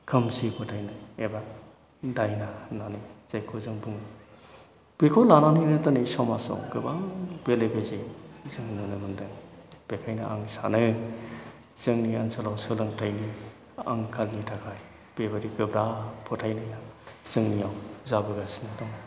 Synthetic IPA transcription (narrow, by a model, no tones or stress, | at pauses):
kʰɯmsipʰɔtʰajnɯeba | dajnananiz̥ajkʰozɯŋbuŋ | b̥ekʰɔlananɯjnɯdɯnejsawmasa̰wɡɯbab̥elebezezɯŋnɯnɯmɯndɯŋb̥ekʰajnaʔaŋsanɯ | z̥ɯŋniaŋsalawsɯlɯŋtʰajni | a̰ŋkʰalnitʰakʰaj | b̥ebaɾiɡɯbɾapʰɔtʰajnɯjnaz̥ɯŋnijawzabɯɡasnɯdɔŋ